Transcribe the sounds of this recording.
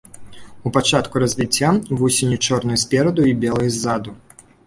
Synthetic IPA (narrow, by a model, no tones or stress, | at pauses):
upat͡ʂat̪kuɾɐzʲvʲit͡sʲːavɔsʲenʲut͡ʂɔrnʊjusʲpʲɛɾɐd̪uibʲɛlˠɐjzːad̪u